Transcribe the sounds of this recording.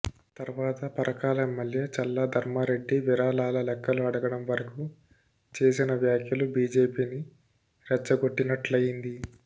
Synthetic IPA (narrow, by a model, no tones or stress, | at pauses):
t̪ɐɾʋaːt̪ɐpɐɾɐkaːlɐɛmːɐljet͡ʃɐlːɐd̪ʱɐɾmaɾe̞ɖːiʋiɾaːlaːlɐlɛkːɐluɐɽɐɡɐɽɐmʋɐɾɐku | t͡ʃe̞ːsinɐʋjaːkʰjɐlubiːd͡ʒe̞ːpiːni | ɾɛt͡ʃːɐɡo̞ʈːinɐʈlɐjind̪i